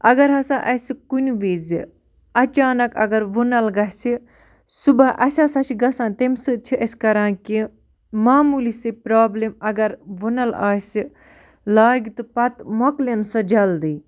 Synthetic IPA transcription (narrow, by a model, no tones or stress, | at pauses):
ɐɡɐɾɦɐsãːʔɐsʲikunuʋeːzi | ɐt͡ʃaːnɐkɐ̰ɡɐɾʋunɐlɡɐɦsi | subɐʔɐsʲaːsɐt͡ʃʰiɡɐsãːt̪emsɨt͡ʃʰiʔɐsʲkɐɾãːnki | maːmulisɨpɾaːblemɐɡɐɾʋunɐla̰ːsi | laːɡit̪ɨpɐt̪moklensɨd͡ʒɐld̪iː